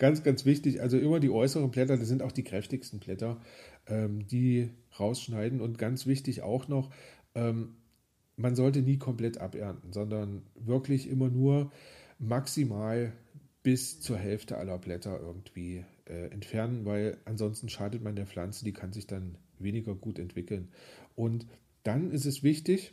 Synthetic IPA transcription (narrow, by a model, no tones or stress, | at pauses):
ɡ̥ant͡sɡ̥ant͡sv̥ɪçtɪçʔalzoʔɪmɐdiːʔɔʏsəʁ̞ənblɛtɐdasz̥ɪntaʊxd̥iːkʁ̥ɛftɪçstn̩blɛtɐʔɛːmd̥iː | ʁaʊsʃnaɪdn̩ʊntɡ̥ant͡sv̥ɪçtɪçʔa̰ʊxnɔχʔɛːm | manzɔltəniːkʰɔmpl̥ɛtʔa̰pʔɛɐntn̩zɔndɐnvɪɐklɪçʔɪmɐnuːɐmaksimaːl | b̥ɪst͡suːɐɦɛlftə̰ʔa̰lɐblɛtɐʔɪ̰ɐɡŋ̩tv̥iːʔɛːʔɛ̰ntfɛɐnənvaɪlʔanzɔnstn̩ʃaːdətmandeːɐflant͡səd̥iːkʰanzɪçd̥anveːnɪɡɐɡuːtɛntv̥ɪkl̩nʔʊnt | d̥anɪstɛsv̥ɪçtɪç